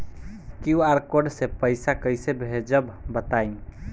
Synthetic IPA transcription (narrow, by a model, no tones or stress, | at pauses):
kjuaɾkoɖsepəjsakəjsebʱed͡ʒəbbət̪ajn